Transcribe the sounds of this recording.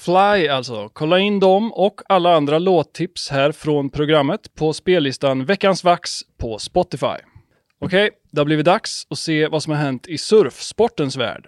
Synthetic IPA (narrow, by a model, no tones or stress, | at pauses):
flajalt̪sɔ̰kʰɔlːaɪnːd̪ɔmɔkʰːalːaand̪ɾaloːt̪ʰːɪpshæːɾfɾɔnpʰɾʊɡɾamːət̪pʰɔspeːlːɪst̪anvɛkːansvakspʰɔspɔt̪ɪfa̰j | ɔkʰɛj | d̪ɛhablɪːvɪd̪aksɔseːvasɔmhaɾɦɛnt̪ʰɪsɵɾfspɔʈːənsvæ̰ːɖ̥